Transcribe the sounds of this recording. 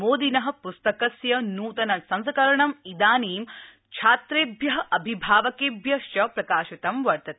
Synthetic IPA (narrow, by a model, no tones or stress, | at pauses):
moːd̪inɐɦɐ̆pust̪ɐkɐsjɐnuːt̪ɐnɐsɐnskɐɾɐɳɐmid̪aːniːm | t͡ʃʰaːt̪ɾeːbʱjɐɦɐʔɐbʱibʱaːʋɐkeːbjɐʃt͡ʃɐpɾɐkaːʃɐt̪ɐmʋɐɾt̪ɐt̪e